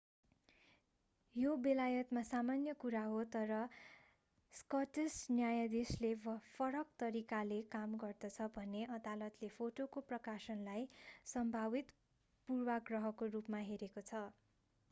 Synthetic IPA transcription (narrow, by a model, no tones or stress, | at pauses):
jobelajʌt̪masamanjʌkuɾaɦot̪ʌɾʌ | skʌʈesnjajʌd̪eslepʰʌɾʌkt̪ʌɾikalekamɡʌrd̪ʌt͡sʰʌbʱʌnːeʔʌd̪alʌt̪lepʰoʈokoprʌkasʌnlajsʌmbʱabit̪ | purwaɡrʌɦʌkorupmaɦeɾekot͡sʰʌ